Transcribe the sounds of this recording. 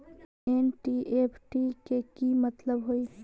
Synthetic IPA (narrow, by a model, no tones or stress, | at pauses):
enʈiʔeːpʰʈikekimɐt̪ləbɦoi